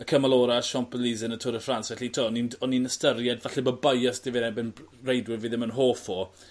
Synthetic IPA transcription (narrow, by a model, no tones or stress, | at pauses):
əkʰəmalˠɔːɾaʃɔmp̚əlizənətʰʊɾəfransvɛɬitʰoninɔninəstərjɛdvaɬɛbɔbajɔsd̥ɪvɪnabɛnrejdwɪviðɪmənɦoːfo